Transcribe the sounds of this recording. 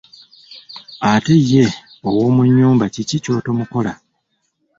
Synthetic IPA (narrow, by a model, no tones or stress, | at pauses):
ate̞je̞ | owo̞ːmuɲːuːmbacicico̞ːto̞muko̞la